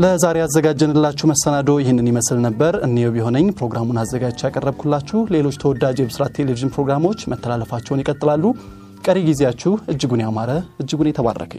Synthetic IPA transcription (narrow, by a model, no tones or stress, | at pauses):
ləzaɾeazːəɡad͡ʒɛnɨlːat͡ʃːuhməsənad̪o̞jɪhɪnːɨnjiməslnəbːəɾɨnːewbiho̞nəɲpʰɾo̞ɡɾamunazːəɡad͡ʒt͡ʃjakʼərːəβkʰulːat͡ʃːule̞lo̞t͡ʃːt̪ʰəwɔd̪ad͡ʒebɨsɨɾat̪ʰːe̞leviʒɨnpʰɾo̞ɡɾamo̞t͡ʃːmət̪ʰːəlalːəfat͡ʃːɛwnikʼət̪ʼɨlalːu | kʼəɾeɡize̞jat͡ʃːuhɨd͡ʒːɨɡunejamaɾəʔɨd͡ʒːɨɡunet̪ʰəβa̰rːə̰kʰə̰ɲ